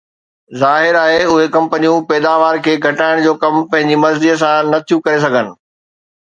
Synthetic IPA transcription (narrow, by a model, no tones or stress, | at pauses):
zaːɦɪɾaːɦeʊɦekɐ̃mpənijũpɛːd̪aːʋaːɾkʰeːɡʱɐʈaːɪɽ̃d͡ʑoːkɐmpɐ̃ɦɪ̃ɲd͡ʑimɐzd̪iːəs̬ãnɐt̪ʰijũkɐɾes̬ɐɡʱənɪ̆